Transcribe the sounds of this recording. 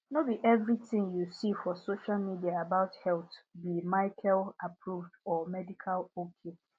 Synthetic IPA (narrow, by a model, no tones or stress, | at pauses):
nobiʔɛvɹitʰɪ̃ŋjusifɔsoʃalmidiaabaʊthɛltbimaɪkʰɛlapʰɹuvdɔmɛdikʰalokʰe